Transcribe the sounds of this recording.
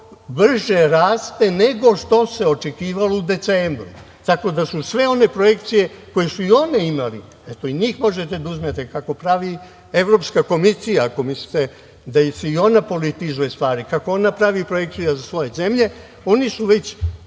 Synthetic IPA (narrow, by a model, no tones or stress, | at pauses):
br̩ʒeɾaːst̪e̞ne̞ɡo̞ʃt̪o̞se̞o̞t͡ʃe̞kiːʋalo̞ud̪e̞t̪seːmbɾṵ | t̪ako̞d̪asusʋe̞o̞ne̞pɾo̞je̞kt̪sije̞ko̞jesuio̞neimalḭ | et̪oiɲiːxmo̞ʒet̪e̞d̪auzmet̪ekako̞pɾaʋi | e̞ʋɾo̞pskako̞misijaːko̞mislit̪e | d̪ajseio̞napo̞lit̪izujest̪ʋaːɾikako̞o̞napɾaʋipɾoje̞k̚t̪sijazasʋo̞je̞ze̞mʎe̞ | o̞nisuʋe̞t͡ɕ